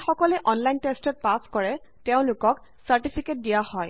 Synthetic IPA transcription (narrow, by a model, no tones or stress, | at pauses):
xɔkɔlɛʔɔnlajntestɔt̚paskɔɹɛteʊ̃lʊkɔk | saɹʈipʰiket̚dijahɔj